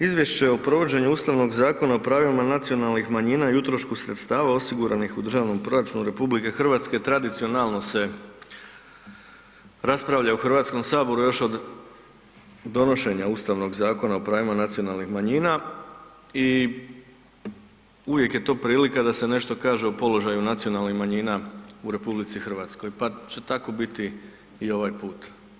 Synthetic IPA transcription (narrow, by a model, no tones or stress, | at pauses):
izʋje̞ʃt͡ɕe̞o̞pɾo̞ʋo̞d͡ʑeɲuuːst̪aʋno̞ɡzaːko̞naopɾaːʋimanat̪sijo̞nalˠnixmaɲiːnaijut̪ɾo̞ʃkusɾet̪st̪aːʋao̞siɡuɾʔanixud̪r̩ʒaːʋno̞mpɾo̞ɾat͡ʃunuɾe̞publike̞xɨr̩ʋaːt̪ske̞t̪ɾad̪it̪sio̞nalˠno̞se̞ | ɾaspɾaʋʎauxr̩ʋaːt̪sko̞msaːbo̞ɾujo̞ʃo̞d̪ | d̪o̞no̞ʃe̞ɲaust̪aʋno̞ɡzaːko̞naopɾaːʋimanat̪sio̞nalˠnixmaɲiːna | i | uʋje̞kje̞t̪o̞ːpɾiːlikad̪ase̞ne̞ʃt̪o̞kaːʒe̞opo̞lo̞ʒajunat̪sio̞nalˠnixmaɲiːnauɾe̞publit̪sixr̩ʋaːt̪sko̞jpat͡ɕe̞t̪ako̞bit̪i | io̞ʋajpuːt̪